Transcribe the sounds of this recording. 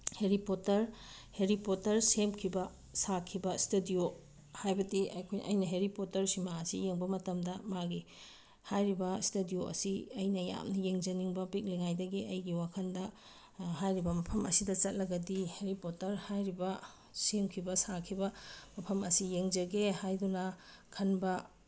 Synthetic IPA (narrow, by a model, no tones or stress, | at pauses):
heɾipotɐɾ | heɾipotɐɾsemkʰibɐ | sakʰibɐstedio | hajbɐdiɐkʰojʔɐ̰jnɐɦeɾipotɐɾsimaɐsijeŋbɐmɐtɐmdɐmaɡi | hajɾibɐstedijoʔɐ̰siɐjnɐja̰mnɐjeŋd͡ʒɐniŋbɐpik̚liŋajdɐɡiʔɐjɡiwakʰɐndɐ | ɦajɾibɐmɐpʰɐmɐ̰sidɐt͡ʃɐt̚lɐɡɐdiheɾipotːɐɾhajɾibɐ | semkʰibɐsakʰibɐmɐpʰɐmɐsijeŋd͡ʒɐɡehajdunɐkʰɐnbɐ